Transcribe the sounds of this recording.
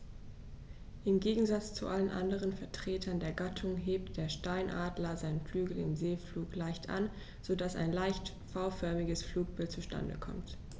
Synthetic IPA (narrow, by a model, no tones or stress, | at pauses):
ʔɪmɡeːɡŋ̩zat͡st͡sṵʔalənʔa̰ndəʁənfɛɐtʁ̥eːtʰɐndeːɐɡatʰʊŋɦeːp̚td̥eːɐʃtaɪnʔaːdlɐzaɪnəflyːɡl̩ɪ̰mzeːfluːklaɪçtʰʔa̰n | z̥odasa̰ɪnlaɪçt | faʊfœɐmɪɡəsfluːk̚b̥ɪltt͡suʃta̰ndə̰kʰɔ̰mt